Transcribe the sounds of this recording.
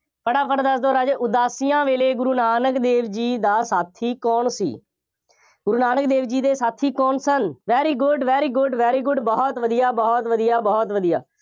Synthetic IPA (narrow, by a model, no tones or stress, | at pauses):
pəɽaːpʰəɾd̪əsd̪oːɾaːd͡ʒeːʔʊd̪aːsiːjãːʋeːleːɡʊɾuːnaːnəkd̪eːʋd͡ʒiːd̪aːsaːt̪ʰiːkɔːɳsḭː | ɡʊɾuːnaːnəkd̪eːʋd͡ʒiːd̪eːsaːt̪ʰiːkɔːnsənʋɛːɾiːɡʊɖʋɛːɾiːɡʊɖʋɛːɾiːɡʊɖbɔːt̪ʋəd̪ijaːbɔːt̪ʋəd̪ijaːbɔːt̪ʋəd̪ija̰ː